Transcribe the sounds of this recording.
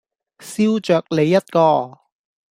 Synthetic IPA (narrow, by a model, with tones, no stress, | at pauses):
siː˥wt͡ʃœː˨˩k̚le˨˧jːɐ˥t̚kɔː˧